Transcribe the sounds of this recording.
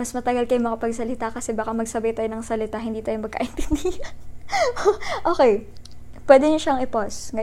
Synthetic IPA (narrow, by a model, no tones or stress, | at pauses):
mɐsmɐt̪ɐɡɐlkɐjomɐkɐpɐɡsɐlɪt̪akɐsɛbaːkɐmɐɡsɐbɐjt̪aːjonɐŋsɐlɪt̪aɦɪnd̪iːt̪aːjomɐɡ̚ka̰ʔɪnp̪ɪnd̪iːɐn | ʔoːkɛj | pwɛːd̪ɛɲoʃaɐŋɪposŋɐ